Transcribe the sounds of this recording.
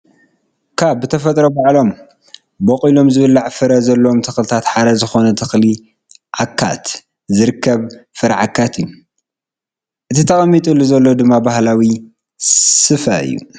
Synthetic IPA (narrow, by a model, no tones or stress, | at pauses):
kʰabːɨt̪ʰɐfɐt̪ʼɾobaʕlo̞m | bɐqʼilo̞mzɨβɨlːaʕfɨɾɐzɐlːɐomt̪ʰɨxlɨt̪ʰat̪ħad̪ɐzɨxo̞nɐt̪ʰɨxli | ʕakʰːa̰t̪ | zɨɾɨkʰːɐβfɨɾaʕakʰːat̪ɨjːu | ʔɨt̪ʰit̪ʰɐχʼɐmːit̪ʼulːuzɐlːo̞d̪ɨmːabahlawi | sɨfɐɨ̰jːṵ